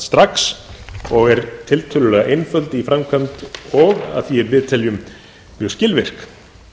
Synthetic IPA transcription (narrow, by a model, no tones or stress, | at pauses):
st̪ɾaksɔɣɛɾt̪ʰɪlt̪ʰœːlʏlɛːɣaʔejnfœlt̪ɪifɾamkʰœmt̪ɔɣa̰ðθiɛɾvɪðt̪ʰɛljʏm | mjœwscɪlvɪr̥k